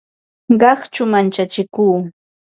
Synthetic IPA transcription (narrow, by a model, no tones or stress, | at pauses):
ɢɑχt͡ʃʊmant͡ʃat͡ʃɪkuː